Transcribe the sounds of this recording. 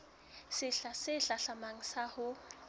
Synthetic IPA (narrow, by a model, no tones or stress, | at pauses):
sɪɬasɪɬaɬamaŋ̩sahʊ